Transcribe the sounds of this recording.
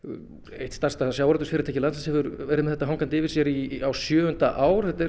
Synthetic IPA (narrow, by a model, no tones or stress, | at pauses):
ḛjht̪st̪ar̥st̪asjawɾat̪ʏɾsfɪɾɪɾt̪ʰɛːcɪlansasɛvʏɾɛɾɪmɛðɛt̪aɦawŋkant̪ɪvɪɾ̥sjɛɾiawsjœːʏnt̪aʔaːwɾ̥θɛt̪ɪɾ